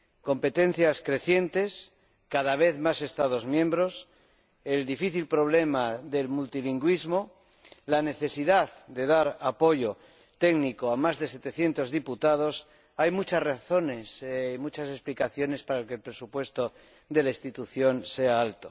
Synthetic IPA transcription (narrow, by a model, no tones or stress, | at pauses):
ko̞mpe̞t̪ẽ̞n̟θjaskɾe̞θje̞nt̪e̞s | kaðaβ̞e̞θmase̞st̪að̞o̞zmjẽ̞mbɾo̞s | e̞ld̪ifiθilpɾo̞β̞le̞maðe̞lmult̪iliŋɡwizmo | lane̞θe̞siðaðd̪e̞ðaɾapo̞ʝo̞ | t̪e̞ɡniko̞amazðe̞se̞t̪eθje̞nt̪o̞zðiput̪að̞o̞s | ajmut͡ʃasraθo̞ne̞simut͡ʃase̞splikaθjo̞ne̞spaɾaelke̞lpɾe̞supwe̞st̪o | d̪e̞laist̪it̪uθjo̞nse̞aalt̪o̞